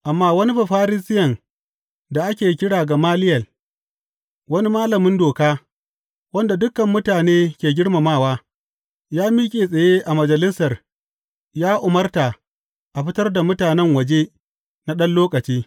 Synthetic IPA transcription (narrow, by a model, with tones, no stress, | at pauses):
ʔa˨mːaː˦wɐ˦ni˦ɸa˨ɸaː˦ɾɪ˦sɪ˦jɐ˨n | da˨ʔa˦kʲeː˨kʲɪ˦ɽaː˨ɡa˨maː˦lɪ˦jɐ˨l | wɐ˦ni˦maː˦lɐ˨mɪ˦ndoː˨kaː˦ | wɐ˦nda˨dʊ˦kːɐ˨mːʊ˦taː˨neː˦kʲeː˨ɡʲɪ˦ɽma˨maː˦˨waː˦ | jaː˦miː˦kʲʼeː˨sʼɐ˨jeː˦ʔa˨mɐ˨d͡ʒɐ˨lɪ˦sɐ˨r | jaː˦ʔʊ˨mɐ˦rta˨ | ʔa˨ɸɪ˦tɐ˦rda˨mʊ˦taː˨nɛ˦ŋwɐ˨d͡ʒeː˦ | na˦ɗɐ˦nloː˦kʼɐ˨t͡ʃiː˦